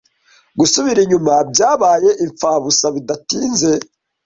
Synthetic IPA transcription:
ɡusuβiɾiɲumab̚ɟaːβaːje̞ʔiɱfaːβusaβidatiːnze̞

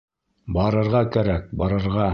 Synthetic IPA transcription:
bɑɾɤ̆ɾʁɑkæɾæk̚bɑɾɤ̆ɾʁɑ

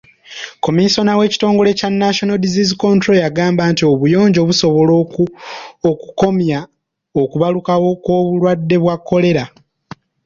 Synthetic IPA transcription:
ko̞miso̞nawe̞ːci̥to̞ːŋɡo̞le̞canːaʃonodizizikontɾo̞jaɡaːmbaːntio̞βujo̞ːɲɟo̞βuso̞βo̞lo | okuko̞mja | okuβalukawo̞kwo̞ːβulwadːe̞βwakːo̞le̞ɾa

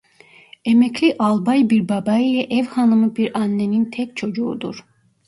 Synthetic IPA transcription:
emɛclʲiʔalˠbajbiɾbabailʲɛʔɛvhanɯmɯbiɾanːenint̪ʰɛc̚ʲt͡ʃʰo̞d͡ʒuṵd̪uɾ̥

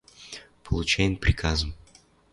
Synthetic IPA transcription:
pʰəlˠʊt͡ɕæjɪmpɾʲɪkʰazəm

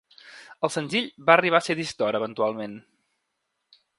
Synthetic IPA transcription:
əlˠsənziʎβaəriβ̞aseðist̪ɔɾəβənt̪ualˠmen

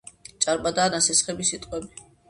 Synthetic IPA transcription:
t͡ʃʼaɾbʼad̪aːnasɛsχɛbisit̪ʼqʼɛbi

